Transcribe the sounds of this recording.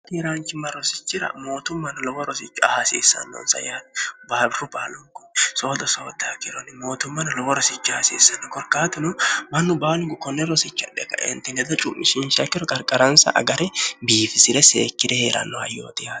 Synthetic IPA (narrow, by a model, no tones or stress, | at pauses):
t̪iɾaːŋt͡ʃɪmːɐɾɔsɪ̥t͡ʃːɪɾɐ̰mo̞ːt̪ʊmːɐnɐlɔbɔɾɔsɪt͡ʃːʊhasḭːsːɐ̰nːɔ̰nsɐ̰jabaːbɾʊbaːlɔŋkʊso̞ːd̪ɔsoːd̪aːkɪɾɔnɪmo̞ːt̪ʊmːɐnɐlɔwɔɾɔsɪt͡ʃːʊhasḭːsːɐnːɔkɔɾkaːt̪ɪnʊmɐnːʊbaːlɪɡʊkɔnːɛɾɔsɪt͡ʃːɐ̰ᶑɛkɐʔɛ̰nt̪ɪnɛd̪ɐt͡ʃʼʊmːɪʃɪnʃɐkːɪɾɔkʼɐɾkʼɐɾɐnsɐ̰ʔɐ̰ɡɐɾɛbiːfɪsɪɾɛseːkːɪd̪ɛheːɾɐ̰nːɔhɐ̰jːo̰ːt̪ɪjaː